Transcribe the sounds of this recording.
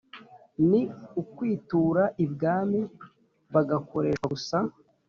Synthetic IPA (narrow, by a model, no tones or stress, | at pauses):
niukwiːtuːɾaʔibɡaːmi | βaɡakʰo̞ɾe̞ːʃwausa